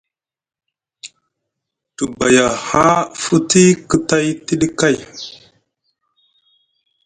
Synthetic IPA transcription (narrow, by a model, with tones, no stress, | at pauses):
tu˨ba˨ja˨ha˦fu˦ti˦kə˨ta˦jti˦ɗi˦ka˦˨j